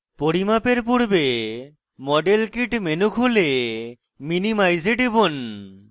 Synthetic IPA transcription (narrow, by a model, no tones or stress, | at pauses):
poɽimapeɾpuɽbe | mɔɖelkiʈmenukʰole | minimajzeɖibon